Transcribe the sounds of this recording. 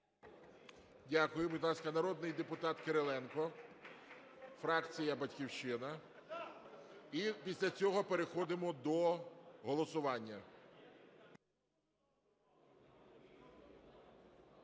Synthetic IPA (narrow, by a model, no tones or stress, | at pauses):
dʲakʊjʊbʊdʲlˠɑskɐnɐɾɔd̪nɪjd̪e̞pʊt̪ɑt̪keɾelˠɛnkɔ | fɾɑkt͡sʲijɐbɐtʲkʲiwʃɪnɐ | ipʲisʲlʲɐt͡sʲɔɦɔpe̞ɾe̞xɔd̪ɪmɔd̪ɔɦɔlˠɔsʊʋɑnʲːɐ